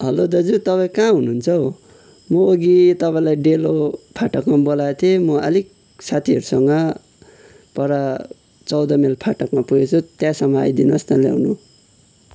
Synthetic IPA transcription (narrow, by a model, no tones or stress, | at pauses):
ɦʌlod̪ʌd͡zut̪ʌpaĩkãɦunuːnt͡sʰʌw | mʌoɡit̪ʌpaĩlajɖelopʰaʈʌkmabolat̪ʰemʌʌ̰lik̚ | sat̪ʰiʌɾusʌŋɡʌ | pʌɾa | t͡sʌwd̪ʌmelpʰaʈʌkmapuɡet͡sʰut̪jãsʌmʌa̰jd̪inʌst̪alja̰wnu